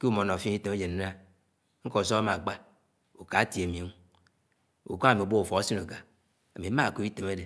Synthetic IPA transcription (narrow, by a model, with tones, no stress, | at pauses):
ke˦u˦mo˨nɔ˨fi˦i˦te˨me˦d͡ʒe˨n˦na˦ | ŋ̩˦kɔ˨s̬ɔ˦a˦ma˨k͡pa˦ | u˨ka˨˦ti˨e˨mi˨a˨ŋ˨˦ | ṵ˨ka˦a˦˨mi˨bo˦u˨fɔ˨a˦si˦no˨ɡa˨ | a˨mi˨˦ma˦˨ku˦i˦te˨m˦a˦de˨